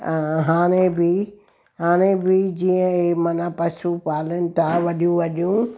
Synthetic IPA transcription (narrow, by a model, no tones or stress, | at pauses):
ɦaːɽ̃ebɪ | ɦaːɽ̃ẽbɪd͡ʑiːə̃emɐnapɐsupaːlənɪ̆t̪aʋɐɗijũʋɐɗijũ